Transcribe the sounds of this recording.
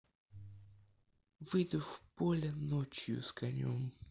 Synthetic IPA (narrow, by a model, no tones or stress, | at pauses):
vɨd̪ʊfpolʲɪnot͡ɕjʊ̰skɐnʲo̰m